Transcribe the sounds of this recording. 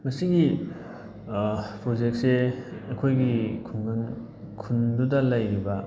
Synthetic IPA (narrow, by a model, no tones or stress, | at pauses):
mɐsiɡi | pɾod͡ʒek̚t̚seɐkʰojɡikʰunɡɯn | kʰundudɐlɐjɾibɐ